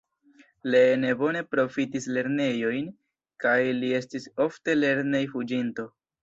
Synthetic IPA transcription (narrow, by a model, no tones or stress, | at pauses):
le̞nebo̞ne̞pɾo̞fitisle̞ɾne̞jo̞jn | kajlie̞stiso̞fte̞le̞ɾnejfud͡ʒinto̞